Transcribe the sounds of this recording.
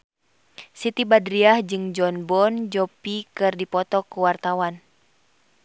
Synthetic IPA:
sit̪ibadɾiahd͡ʒɨŋd͡ʒɔnbɔnd͡ʒɔpikɨrdipɔt̪ɔkuwart̪awan

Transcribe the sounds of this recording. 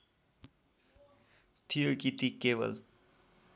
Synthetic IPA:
t̪ʰijokit̪ikebʌ̰l

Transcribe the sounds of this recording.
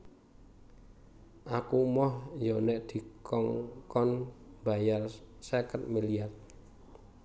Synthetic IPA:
ʔakumɔhjɔnɛʔd̪̥i̤kɔŋkɔnbajarsəkət̪̚miliar

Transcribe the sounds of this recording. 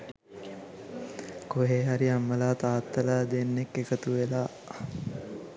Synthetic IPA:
koɦeːɦaɾiamːəlaːt̪aːt̪ːɐlaːd̪enːekːekət̪uʋelaː

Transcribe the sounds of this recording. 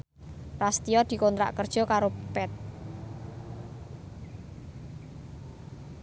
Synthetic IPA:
rast̪ijɔd̪̥i̤kont̪ɾa̰ʔkərd̥ʒ̥ɔ̤kaɾopɛt̪̚

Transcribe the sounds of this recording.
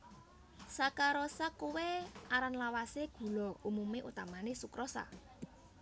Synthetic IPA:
sakaɾɔsakuweaɾanlawaseɡ̥ṳlɔumumeʔut̪amanesukɾɔsa̰

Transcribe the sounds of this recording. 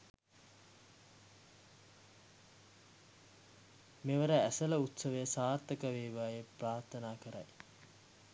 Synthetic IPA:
meʋəɾəæsɐləut̪səʋəjəsaːrt̪əkəʋeːʋaːjepraːrt̪ənaːkəɾa̰j

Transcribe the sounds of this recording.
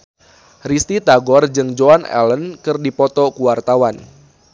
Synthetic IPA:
rist̪it̪aɡɔrd͡ʒɨŋd͡ʒoanɛ̰lənkɨrdipɔt̪ɔkuwart̪awan

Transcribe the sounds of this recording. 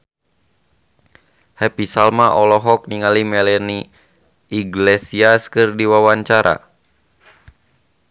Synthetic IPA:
hɛpisalmaʔɔlɔɦɔk̚niŋalimɛlɛni | iɡlɛsiaskɨrdiwawaɲt͡ʃaɾʔa̰

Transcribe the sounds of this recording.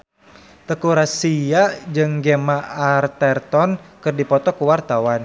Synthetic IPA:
t̪əkuɾasijaʔd͡ʒɨŋɡemaʔːrt̪ɛrt̪ɔnkɨrdipɔt̪ɔkuwart̪awan

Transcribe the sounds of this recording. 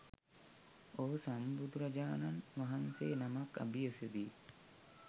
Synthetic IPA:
oɦusambud̪uɾad͡ʒaːnanʋaɦanseːnamaka̰biəsed̪i

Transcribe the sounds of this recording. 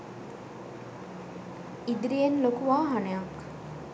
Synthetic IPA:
id̪iɾijenlokuʋaːɦanejɐk

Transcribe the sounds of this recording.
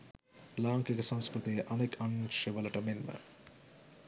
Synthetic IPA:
laːŋkekesɐ̃nskɾut̪iːʔɐnekʰɐŋʃeʋɐlɐʈɐmenmɐ̰

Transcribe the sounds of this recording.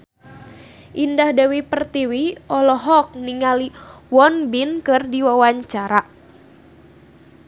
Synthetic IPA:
ʔindahdawipərt̪iwiɔlɔɦɔk̚niŋaliwɔnbinkɨrdiwawaɲt͡ʃaɾa

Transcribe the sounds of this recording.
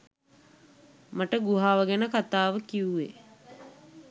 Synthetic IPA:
maʈəɡuɦaːʋəɡænəkat̪aːʋəkiuʋḛ

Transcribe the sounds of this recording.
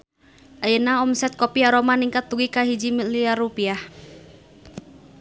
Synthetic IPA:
ʔajənaɔmsɛt̪̚kopiaɾomaniŋkat̪ːuɡikaɦid͡ʒimiliaɾupiah

